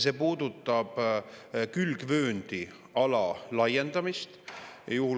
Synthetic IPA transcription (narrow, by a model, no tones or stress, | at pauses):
se̞ːpuːd̪̥ut̪ˑːɑb̥ | kylɡ̥vø̞ːnd̪̥i | ɑlɑlɑje̞nd̪̥ɑmist̪juh